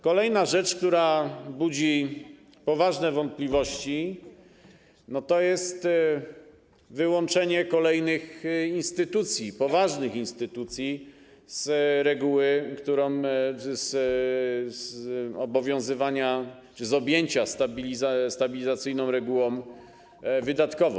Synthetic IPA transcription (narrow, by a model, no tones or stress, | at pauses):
kɔlɛjnaʐɛt͡ʂk̚t̪uɾabud͡ʑi | pɔvaʐnɛvɔnt̪̚pʲlʲivɔɕt͡ɕi | nɔt̪ɔjɛst̪ | vɘwɔnt͡ʂɛɲɛkɔlɛjnɘxinst̪ɘt̪ut̪sʲjipɔvaʐnɘxinst̪ɘt̪ut̪sʲji | z̥ɾɛɡuwɘkt̪uɾɔ̃ | z | zɔbɔvʲjɔ̃w̃zɘvaɲa | t͡ʂɘzɔbʲjeɲt͡ɕast̪abʲilʲizast̪abʲilʲizat̪sɘjnɔ̃w̃ɾɛɡuwɔ̃m | vɘd̪at̪kɔvɔ̰̃w̃